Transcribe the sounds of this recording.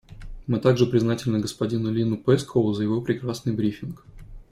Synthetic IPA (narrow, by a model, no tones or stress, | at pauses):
mɨt̪aɡʐɨpɾʲɪznatʲɪlʲnəɡəspɐdʲinʊlʲinʊpɛskʰəvʊzəjɪvo̞pɾʲɪkɾasnɨjbɾʲifʲɪnk